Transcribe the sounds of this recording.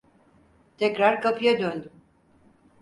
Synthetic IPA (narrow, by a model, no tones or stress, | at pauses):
t̪ʰɛcɾaɾkʰapʰɯjad̪ønd̪ym